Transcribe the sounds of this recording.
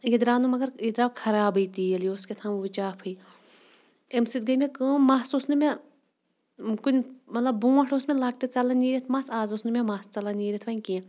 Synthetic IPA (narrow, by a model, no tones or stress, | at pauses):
jed̪ɾaːnumɐɡɐɾed̪ɾaːkʰɐɾaːbəjt̪iɐlioːskʲet̪ʰaːmt͡ʃaːpʰɨj | emsit̪̚ɡɐjmʲekɨːmaːsosnumʲe | kunʲmɐt̪lɐbːũːaʈʰosmelaːk̚ʈit̪t͡salɐniːɾʲit̪ʰmaːsaːzosnumʲemaːst͡sɐlɐniːɾʲit̪ʰʋɐnʲkĩ